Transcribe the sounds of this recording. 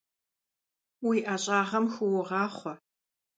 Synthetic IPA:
wiːʔaːɕʼaːʁɐmxʷʊwʊʁɑːχʷɔ

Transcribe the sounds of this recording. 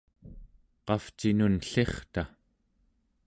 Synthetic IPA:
qɑft͡ʃinunɬe̞χt̪a

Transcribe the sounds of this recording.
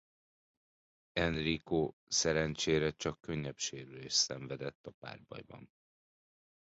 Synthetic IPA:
ɛnrikoːsɛɾɛnt͡ʃeːɾɛt͡ʃɒkːø̞ɲːɛpʃeːɾyleːʃsɛɱvɛd̪ɛt̪ːɒpa̰ːrbɒ̰jbɒ̰n

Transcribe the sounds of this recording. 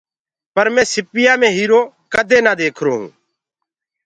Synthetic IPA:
pəɾmẽːsɪpɪjãːmẽːɦiːɾoː | kəd̪ʱeːnaːd̪eːkʰɾoːɦṵ̃ː

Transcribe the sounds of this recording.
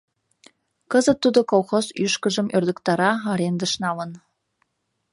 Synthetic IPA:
kəzət̪ːud̪okolˠxozyʃkə̆ʒə̆mørd̪ə̆kt̪ɑɾɑɑɾend̪əʃnɑlə̆n

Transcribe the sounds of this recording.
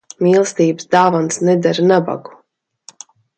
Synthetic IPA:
miːlˠst̪iːbɨsd̪aːvansnɛd̪aɾnaba̰ɡu̥

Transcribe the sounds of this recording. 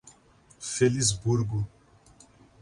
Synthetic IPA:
felizbuɾɡʊ

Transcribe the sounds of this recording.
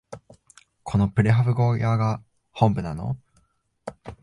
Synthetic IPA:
kʰo̞no̞pɯ̟ɾeɦaβɯ̟ɡo̞ːjaɡa | hõ̞mbɯ̟nano̞̰

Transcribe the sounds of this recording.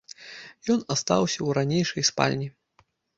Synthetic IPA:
jɔnast̪a̰wsʲɐwɾanʲejʂɐjspa̰lʲnʲi

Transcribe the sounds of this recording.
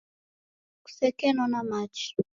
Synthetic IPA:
ku̥sɛkɛnɔnamat͡ʃi̥

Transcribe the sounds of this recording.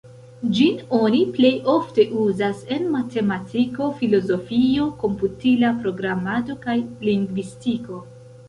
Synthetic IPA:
d͡ʒino̞niple̞jo̞fte̞ʔuzase̞nmatʰe̞matʰiko̞filo̞zo̞fio̞ko̞mputilapɾo̞ɡɾamado̞kajliŋɡvistiko̞

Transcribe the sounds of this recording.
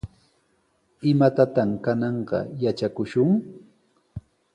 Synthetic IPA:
ɪmat̪at̪amkanɑɴɢɑ̰jat͡ʃakʊʃʊŋ

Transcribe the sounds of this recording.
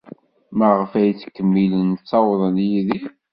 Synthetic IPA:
məʁəfæjt͡sːkːəmːilənt͡sːɑwðˤənjiði

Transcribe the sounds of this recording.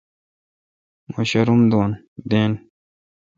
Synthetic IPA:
moɕɐɾumd̪oːn | d̪eːn

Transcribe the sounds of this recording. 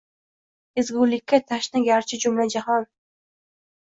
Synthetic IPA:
ɪzɡʊlɪkʲːat̪ʰaʃnɪɡʲaɾt͡ʃʰɪd͡ʒʊmlad͡ʒahɒn

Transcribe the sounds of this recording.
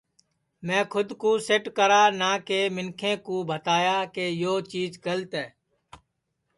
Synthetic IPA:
mɛ̃ːkʰʊd̪kuːseʈkəɾaːnaːkeːmɪnkʰẽːkuːbʱət̪aːjaːkeːjoːt͡ʃiːzɡəlt̪ɛː

